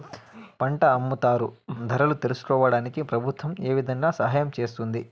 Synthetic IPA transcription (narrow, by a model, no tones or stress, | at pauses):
pɐɳʈɐːmːut̪aːɾud̪ʱɐɾɐlut̪elusu̥kɔːʋɐɽaːnikipɾɐbʱut̪ʋɐme̞ːʋid̪ʱɐŋɡaːsɐɦaːjɐmt͡ʃe̞ːst̪und̪i